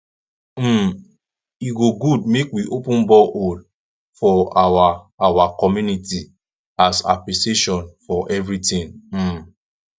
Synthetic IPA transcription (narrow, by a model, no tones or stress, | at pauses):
m̩ | iɡoɡudmekwiʔopũnbɔʔol | fɔawa | awakɔmjuniti | asa̰pliseʃɔ̃nfɔʔɛvɹitĩn̩